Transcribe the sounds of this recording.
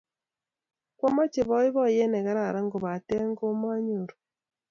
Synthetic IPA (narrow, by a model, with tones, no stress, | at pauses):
kwɔ˦ma˦t͡ʃe˨βɔ˦ɪ˦βɔ˦je˦nɛ˨ɣa˦ɾa˨ɾa˦ŋɡo˨βa˨tɛ˦ŋɡo˦ma˦ɲo˨ɾ